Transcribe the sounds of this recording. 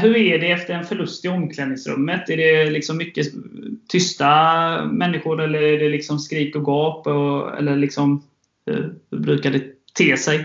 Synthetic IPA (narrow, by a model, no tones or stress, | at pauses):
ɦɵɾæɖɛɛft̪əɾɛnfœɭɵst̪ɪɔmːkʰlɛnɪŋsɾɵ̰mːət̪æɖɛlɪksɔmːʏkːət̪ʰʏst̪amɛnːɪɧʊɾɛlːəɾæɖɛlɪksɔmskɾiːkɔɡɑːpɔɛ̰lːəɭɪksɔm | hɵ̰ɾhɵbɾʉ̟ːkad̪ɛt̪ʰeːsɛj